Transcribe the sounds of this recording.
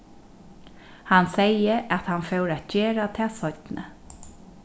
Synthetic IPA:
hansɛjəʔæt̪hanfɛwɾæt̪̚d͡ʒɛːɾat̪ʰɛːsɔt̪nə̰

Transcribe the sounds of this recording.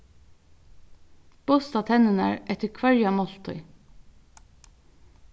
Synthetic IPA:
b̥ʊst̪ɑt̪ʰɛnənæ̰ːɹʔɛt̪əkʰʋɑɹjɑmɔlt̪ʰœʏ

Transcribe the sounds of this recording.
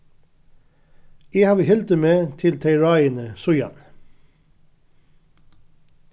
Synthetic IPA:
eːhɑːʋəhɛlt̪əmeːt̪ʰɪlt̪ʰeɪɹɑɪənəsʊʏɑ̰n

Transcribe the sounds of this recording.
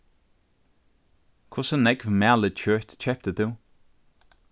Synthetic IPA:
kʰʊsənɛkvəmæːlət͡ʃʰɜːt̪t͡ʃʰɛp̚t̪əd̪ʉ

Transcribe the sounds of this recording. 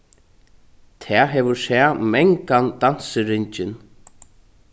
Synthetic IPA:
t̪ʰɛːɦɛːvʊsɛːmɛŋkand̪ansɪɾɪɲt͡ʃɪn

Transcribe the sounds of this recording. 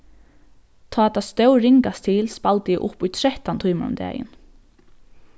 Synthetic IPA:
t̪ʰɔːɛt̪ʰːast̪œwɾɪŋkast̪ʰilspalt̪əjɪʔʊpujt̪ʰɾɛht̪ant̪ʰuːməɾʊ̰md̪ɛ̰ːjɪ̰n

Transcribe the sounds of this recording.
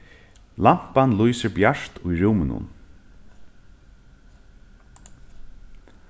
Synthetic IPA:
lam̥panlujsɪɹbjaʂt̪ʰʊjɾuːmɪnʊ̰n

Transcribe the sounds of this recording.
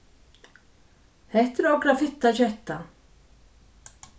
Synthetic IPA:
hɛht̪ɪɾɔkɾafɪt̪ːaɕɛht̪ːa

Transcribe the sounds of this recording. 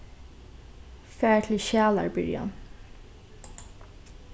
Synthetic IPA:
fæːɹt̪ʰɪlʃæːla̰ɹbɪɹja̰n

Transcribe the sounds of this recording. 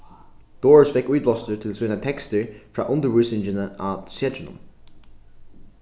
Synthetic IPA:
d̪̥oːɹsfɛkʉːt̪̚blɔst̪ət̪ʰɪlsʉːnət̪ʰɛkst̪əɹfɹɑ̰ːʔʊnd̪əwʉsɪnd͡ʒənəʔaːtsɛdɹənə̰m

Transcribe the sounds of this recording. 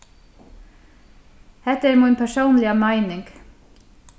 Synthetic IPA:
hɛt̪əeːɾmiːnpʰæʃuːnlɪəmæɪnɪŋɡ̥

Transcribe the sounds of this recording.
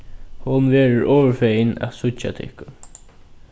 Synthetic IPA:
hʊnʋeːɹʊɹɔːʋəfɛjɪnæ̰t̪sʊt͡ʃa̰t̪ʰɪ̰hkʊn

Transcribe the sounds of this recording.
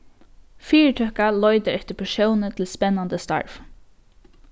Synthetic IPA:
fiːɹʈʰœkalɔʏt̪əɾɛht̪əpʰɛʃjownət̪ʰɪlspɛnːand̪əst̪a̰ɹf

